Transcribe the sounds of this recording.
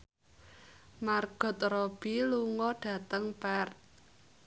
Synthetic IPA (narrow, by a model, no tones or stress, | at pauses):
marɡ̥ɔ̤t̪̚rɔb̥iluŋɔɖ̥ä̤t̪əŋpɛrt̪